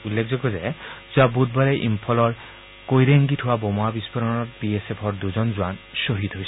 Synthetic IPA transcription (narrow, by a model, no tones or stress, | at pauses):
ulːek̚ʰzɔɡɔzɛz̥ʊabut̚baɹɛʔimpʰɔlɔɹ | kojɾeŋɡitʰʊwabɔmɔabispɔɾɔnɔɹpiesepʰɔɹd̪uzɔnzʊwansoɦit̪ɦojs